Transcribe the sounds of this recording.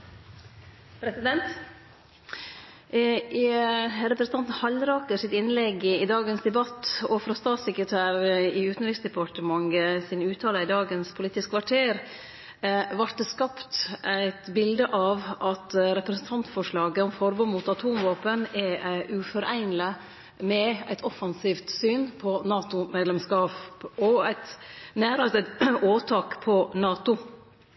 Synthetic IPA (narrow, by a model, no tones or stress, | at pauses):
pʰɾɛsɪd̪ɛnt̪ | ɾɛpɾəsn̩t̪ʰɑnt̪n̩hɑlɾɑːkəsɪt̪ɪnlɛɡɪd̪ɑːɡənsd̪ɛbɑt̪ːɔfɾɑst̪ɑːt̪sɛkɾət̪ʰæːɾɾəɪʉːt̪n̩ɾɪsd̪ɛpʰɑʈəmɑŋɡəsɪnʉːt̪ʰɑːləɪd̪ɑːɡənspʰʊliːt̪ɪskʰʋɑʈʰeːɾ | ʋɑɾt̪ːəskɑpt̪æɪt̪bɪld̪əʔɑʋʔɑt̪ɾɛpɾɛsən̩t̪ʰɑnt̪fɔʂɭɑːɡəɔmfɔɾbɔmuːt̪ɑt̪ʰuːmʋɑːpənɛʔʉfɔɾæɪnlə | mɛæɪt̪ʰɔfɑnsiːft̪syːnpʰɔnɑːt̪ʊmeːd̪lɛmskɑːpɔæɪt̪næːɾɑt̪ɪoːt̪ʰɑːkpʰɔnɑːt̪ʊ